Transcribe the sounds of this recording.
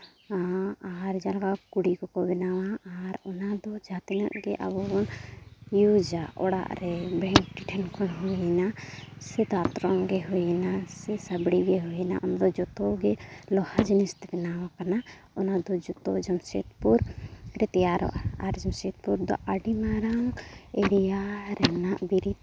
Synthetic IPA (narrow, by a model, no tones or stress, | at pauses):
aɾd͡ʒalaɡakuɽikɔkɔbɛnawaaɾɔnad̪ɔd͡ʒat̪ina̰ʔɡɛʔa̰bɔbɔnjud͡ʒaʔɔɽa̰ʔɾɛbɛ̃ŋkʈiʈʰɛnkɔnɦɔjnasɛd̪at̪ɾɔŋɡɛɦɔɛnasɛsabɽiɡɛɦujɛna̰ʔɔnd̪ɔd͡ʒɔt̪ɔɡɛlɔhad͡ʒinist̪kɛnawakana | ɔnad̪ɔd͡ʒɔt̪ɔ̰d͡ʒɔmsḛt̪puɾɾɛt̪ɛjaɾɔ̰ʔaɾd͡ʒɔmset̪̚puɾd̪ɔ̰ʔaɖimaɾaŋeɾijaɾɛnaʔbiɾit̪̚